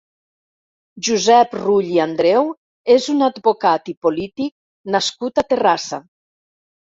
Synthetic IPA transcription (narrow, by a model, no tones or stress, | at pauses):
ʒuzɛpruʎiand̪ɾɛw | ezunad̪bokat̪ipolit̪ik̚ | naskut̪at̪erasa